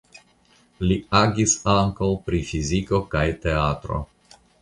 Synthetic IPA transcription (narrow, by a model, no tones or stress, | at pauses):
liaɡisaŋkawpɾifiziko̞kajt̪e̞at̪ɾo̞̰